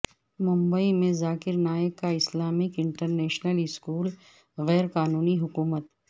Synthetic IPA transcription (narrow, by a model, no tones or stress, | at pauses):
mʊ̃mbəimẽzaːkɪɾnaːjəkːaɪslaːmɪkɪ̃ɳʈəɾneːʃnəlɪskuːl | ɣɛːɾkaːnuːniɦʊkuːmət̪